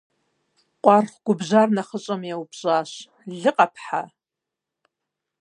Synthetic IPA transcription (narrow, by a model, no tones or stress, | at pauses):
qʷʼarχʷɡ̥ʷʊbʒʷarnaχət͡ʃʷʼɨmjawpʰʒʷʼaʃ | ɮɨqʼapʰħa̰